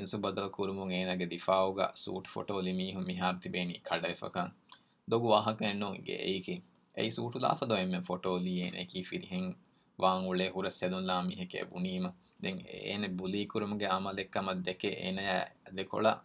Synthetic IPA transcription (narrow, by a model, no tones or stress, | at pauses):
insubɐd̪ɐlɐkuɾumuŋeːnaːɡed̪ifaːuɡa̰ːsṵːʈu̥fo̰ʈoːlimiːɦumːiɦaːɾut̪ibeːniːkʰɐɖɐʋefɐ̰kɐŋ | d̪oɡuʋaːɦɐkɐenːoŋɡḛḛjkiŋ | ḛisuːʈula̰ːfɐd̪oemːefoʈoːliːeːnʔḛkiːfiɾiɦeŋ | ʋaːŋuɭeːɦuɾɐselunlaːmiɦekḛbuniːmɐ | d̪eŋḛːnebuliːkuɾumuɡeɐmɐlekːɐmɐd̪ːekeʔḛːnɐjæːd̪eko̰ɭɐ̰